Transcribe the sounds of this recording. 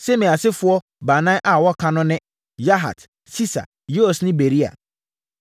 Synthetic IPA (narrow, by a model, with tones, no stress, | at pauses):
sɛ˦mĩ˨a˨sɪ˦fʊ˦ɔ˦ | ba˨nã˦ʔa˨wɔ˦kʰã˦nʊ̃˦nɪ̃˦ | ja˦ɦa̰˨t | si˦sa̰˨ | jo˦o˨snɪ̃˦be˨ɾi˦a̰˨